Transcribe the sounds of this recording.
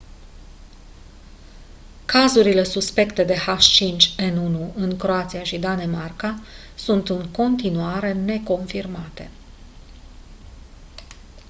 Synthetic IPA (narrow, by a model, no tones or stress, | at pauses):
kʰazuɾile̞suspe̞kt̪e̞d̪e̞haʃt͡ʃint͡ʃʲe̞nunuɨŋkɾo̞at̪siaʃid̪ane̞marka | sunt̪ɨnt̪ko̞nt̪inuaɾe̞ne̞ko̞nfirmat̪e̞̰